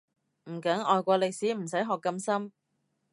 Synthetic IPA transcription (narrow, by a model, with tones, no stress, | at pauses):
m̩˨˩kɐ˨˥ŋɔː˨jkʷɔː˧lɪ˨k̚siː˨˥m̩˨˩sɐ˨˥jɦɔː˨kːɐ˧msɐ˥m